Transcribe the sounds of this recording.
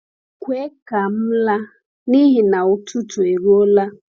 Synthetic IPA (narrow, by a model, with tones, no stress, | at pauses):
kʷwe˦ka˨m̩˦la˦ | ni˦ɦi˨na˨ʊ˨tʰu˦tʰu˨e˨ɾo˦la˦